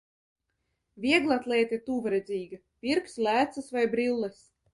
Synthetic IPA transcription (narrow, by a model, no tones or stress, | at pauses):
vʲiɛɡlˠat̪lˠʲɛːt̪it̪uːvaɾɛd̪zʲiːɡa | pʲiɾkslʲæːt̪sɨsvajbɾilˠːɛs